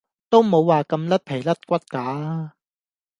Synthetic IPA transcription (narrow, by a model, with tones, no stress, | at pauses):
t̪o˥wmo˨˧wːaː˨kɐ˧mlɐ˥t̚pʰe˨˩jlɐ˥t̚kʷɐ˥t̚kaː˨˥